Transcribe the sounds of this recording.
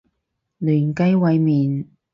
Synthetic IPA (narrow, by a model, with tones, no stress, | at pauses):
lyː˨˩nkɐ˥jwɐ˨˧jmiː˨n